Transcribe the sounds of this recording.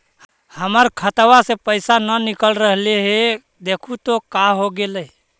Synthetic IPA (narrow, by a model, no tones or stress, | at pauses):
həməɾkʰət̪ʋasepəɪsanənikəlɾəɦleɦe | d̪ekʰut̪okaɦoɡeləj